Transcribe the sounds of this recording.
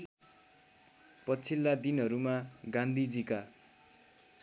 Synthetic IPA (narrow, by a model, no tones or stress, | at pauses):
pʌt͡sʰilːad̪inɦʌɾumaɡand̪ʱid͡zika